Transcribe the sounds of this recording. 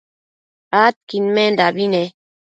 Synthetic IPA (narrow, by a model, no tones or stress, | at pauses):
at̪̚kinmɛndabinɛ